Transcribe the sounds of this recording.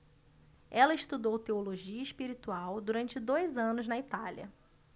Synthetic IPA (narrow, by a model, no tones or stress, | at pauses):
ɛlɐɪʃt̪ud̪owt̪eoloʒiɐiʃpiɾit̪uawd̪uɾɐ̃nt͡ʃɪd̪ojzɐ̃nʊznɐit̪aliɐ̰